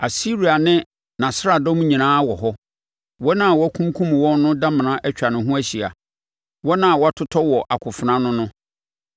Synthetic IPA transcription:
a˨si˦ɾi˨a˨nɪ̃˦ | nã˨sa˦˨dɔ̃˦m˦ɲĩ˨nãː˦wɔ˨ɦɔ˦ | wɔ˦nã˦a˨wɔ˦æ˦kʰũ˦kʰũ˦m˨wɔ̃˦nnʊ̃˦da˦mɪ̃˨nã˦ʔɛ˦t͡ɕᶣa˨nʊ̃˨ɦʊ̃˦æ˦ɕi˨a̰˨ | wɔ˦nã˦a˨wɔ˨˦a˦tʰʊ˦tʰɔ˦wɔ˨ʔa˨kʰʊ˨fʊ˨nã˦nʊ̃˦nʊ̃˦

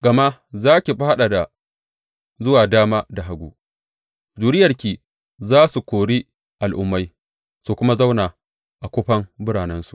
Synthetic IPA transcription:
ɡɐ˨ma˦zaː˦kʲi˨ɸa˦a˦ɗa˨da˨ | zʊ˦waː˨daː˦maː˦da˨ɦa˨ɡʷuː˨ | d͡ʒuː˨ɾɪ˦jɐ˨rkʲiː˨ | zaː˦su˨kʷoː˨ɽi˦ | ʔa˨lʔʊ̰˦mːa˦j | su˨kʷʊ˦ma˦za˦wnaː˨ | ʔa˨kʷoː˦ɸɐ˦mbʊ˦ɽaː˨nɛ˦nsu˨ʔ

